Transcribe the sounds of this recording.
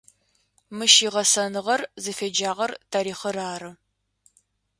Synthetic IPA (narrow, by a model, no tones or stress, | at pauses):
mɨʃiːʁɐsɐnɨʁɐrzɨfeːd͡ʒaːʁɐrtʰaːɾiːχɐɾaːɾɨ